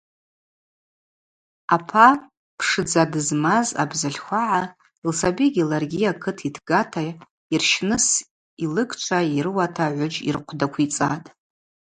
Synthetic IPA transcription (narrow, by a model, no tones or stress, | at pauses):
apʰa | pʰʂɨd͡zadɨzmaza̰bzaɬʲχʷaʕa | ilsabiɡʲilarɡʲijakʰɨtʰitʰɡ̥atʰa | irʃnɨs | ilɨɡʼt͡ʃʷʰaiɾɨwatʰaʕʷʊd͡ʒḭrqʷʰdakʷʰit͡sʼa̰tʼ